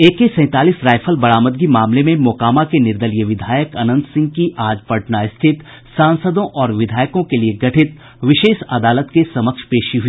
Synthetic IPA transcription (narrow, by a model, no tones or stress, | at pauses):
eːkesɛ̃ːt̪aːliːsɾaːɪfʰəlbɐɽaːməd̪ɡimaːmlemẽmʊkaːmakenɪɾd̪əlijəʋɪd̪ʱaːjəkɐnə̃nd̪sɪ̃ŋɡ̚kiʔaːd͡ʒpɐʈnaɪst̪ʰɪt̪ | sãːnsəd̪õʔɔːɾʋɪd̪ʱaːjkõkelieɡɐʈʰɪt̪ | ʋɪʃeːʃɐd̪aːlət̪kesɐməkʃpeːʃiɦʊiː